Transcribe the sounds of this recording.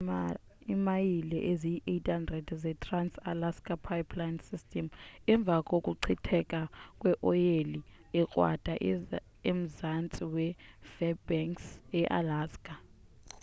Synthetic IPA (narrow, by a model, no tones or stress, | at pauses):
imajilɛʔeziiʔejtʰhandrɛdzɛtʰransalaskʼapʰajpʰlajnsistʰʼɛmɛɱb̪vʱakʼokʼuǀʰitʰɛkʼakʼwɛʔɔjeli | ɛkʼwa̰d̥ʱaʔ | em̩zant͡sʼiwɛfɛbɛŋksɛʔa̰laːskʼa